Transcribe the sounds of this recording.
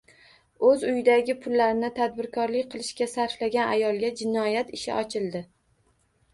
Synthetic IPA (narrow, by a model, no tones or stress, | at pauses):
ɵzʊjɪd̪aɡʲɪpʰʊlːaɾɪnɪt̪ʰad̪̚bɪɾkʰɒɾlɪk̚ʲqʰɨlˠɪʃkʲasaɾflaɡʲanajɒlˠɡʲad͡ʒɪnɒjat̪ɪʃɪ̰ʔɒt͡ʃʰɪlˠd̪ɪ